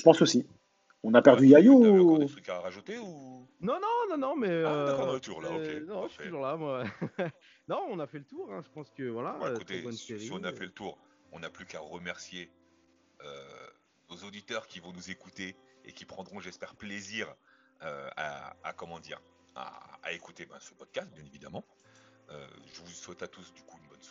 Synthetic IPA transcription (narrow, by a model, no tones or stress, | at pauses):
ʒ̥ə̥pɑ̃sosi | ɔ̃napɛʁd̪yajot̪χykaʁaʒut̪eu | nɔ̃nɔ̃nɔ̃nɔ̃mɛøaɑ̃ʁlət̪uʁlaokenɔ̃ʒuʁlamwa | nɔ̃ɔ̃nafɛlət̪uʁɛ̃ʒəpɑ̃skəvwalaktot̪ebɔnsseʁiiɔ̃nafɛlət̪uʁ | ɔ̰̃naplykaʁəmɛʁsje | ø | nozod̪it̪œʁkʲivɔ̃nuzekut̪eḛkʲipχɑ̃d̪ʁɔ̃ʒɛspɛʁpleziʁ | øa̰a̰kɔmɑ̃d̪iːʁ | a̰ːekut̪ebɛ̃sə̥pɔd̪̚kast̪̚bjɛ̃nevid̪amɑ̃ | ø̰ʒəvuswɛt̪at̪usd̪ykuynbɔns